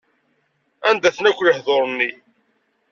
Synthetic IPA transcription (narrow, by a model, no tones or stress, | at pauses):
ænd̪æθnækʷːləhðoɾˤnːi